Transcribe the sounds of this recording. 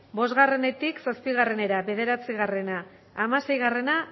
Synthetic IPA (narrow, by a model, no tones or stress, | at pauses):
bo̞zɣare̞ne̞t̪iksospiɣ̞are̞ne̞ɾaβe̞ðe̞ɾat͡siɣ̞are̞naː | mase̞jɣare̞na